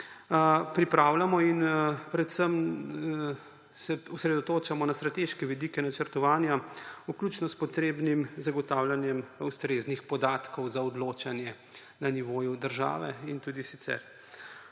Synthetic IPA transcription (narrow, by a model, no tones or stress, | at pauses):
pɾipɾawlamɔinpɾɛt̪səm | sɛɔsɾɛd̪ɔt̪oːt͡ʃamɔnast̪ɾat̪eʃkɛʋid̪ikɛnat͡ʃəɾt̪ɔʋaːnjauklut͡ʃnɔspɔt̪ɾeːbnimzaɡɔt̪aːwlʲanjɛmust̪ɾeznixpɔd̪aːt̪kɔwzaɔd̪loːt͡ʃanjɛ | naniʋoːjud̪əɾʒa̰ːʋɛint̪uːd̪isit̪sɛ̰ɾ